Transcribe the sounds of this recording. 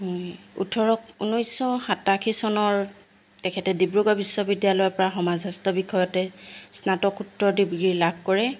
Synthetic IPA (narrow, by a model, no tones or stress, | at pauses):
ɦɔjṵtʰɔɹɔkunɔjsɔxatakʰisɔnɔɹ | tɛkʰɛtɛdibɹuɡɔbisːɔbidjalɔjɔpɔɹaxɔmazastɔbikʰɔjɔtɛsnatɔkutɹɔdibɡɹilab̚ʱkɔɹɛ